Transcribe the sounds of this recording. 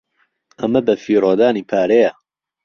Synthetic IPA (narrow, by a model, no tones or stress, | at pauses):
ʔɐmɐbɐfiːɾoːd̪aːniːpʰaːɾejɐ